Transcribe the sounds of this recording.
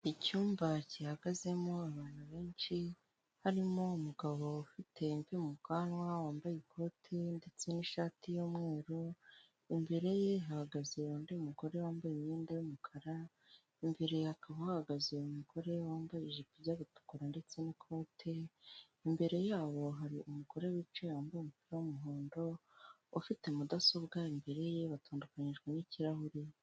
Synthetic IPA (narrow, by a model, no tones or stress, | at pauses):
icuːmbacihaɡaze̞mo̞aβaːn̥huβe̞ːnʃi | haɾimo̞umuɡaβo̞ufitʰe̞mviumukanwawaːmbajekʰo̞ːtʰe̞nde̞t͡se̞niʃaːtijomŋe̞ːɾo | imbe̞ɾe̞jeɦahaɡazewoːndeumuɡo̞ɾe̞waːmbajemɲiːndajumukʰaɾa | imbe̞ɾe̞jhakaβahahaɡazeumuko̞ɾe̞waːmbajiʒipibɟaβutu̥kuɾande̞t͡se̞nikʰo̞ːtʰe | imbe̞ɾe̞jaːβo̞ɦaɾiʔumuko̞ɾe̞wit͡ʃewaːmbajumupiɾewomuɦoːndo̞ | ofite̞mudaso̞bɡaimbe̞ɾe̞je̞βataːndukaɲiʒɡweniciɾahuɾi